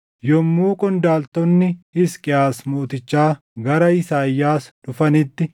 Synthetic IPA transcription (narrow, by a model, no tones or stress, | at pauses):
jɔmːuːkʼɔnd̪aːlt̪ɔnːɪhɪskʼɪaːsmoːt̪ɪt͡ʃːaː | ɡɐɾɐɪsaːjːaːsᶑʊfɐnɪt̪ːɪ